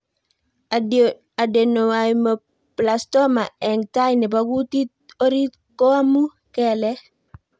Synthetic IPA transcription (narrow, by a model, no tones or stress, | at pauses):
adenowajmə | plastɔmaɛŋtajnibaɡutit̚oɾit | kɔamu | kɛlɛ